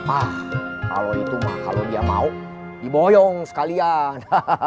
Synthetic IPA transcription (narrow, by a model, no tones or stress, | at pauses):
mahka̰loit̪umahka̰lodiama̰u | dibojɔŋsə̥kalian